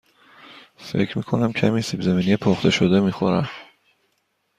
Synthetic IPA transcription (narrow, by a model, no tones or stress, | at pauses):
fe̞̰cʰɾmḭkʰo̞næmcʰæmisibzæmiːnijepʰoχt̪ʰe̞ʃod̪e̞miːxo̰ɾæ̰m